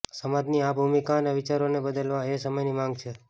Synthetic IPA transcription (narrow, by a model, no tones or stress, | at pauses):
səmad̪niabbʱumikaneʋit͡ʃaɾonebəd̪əlʋaesəməjnimãŋɡt͡ʃʰe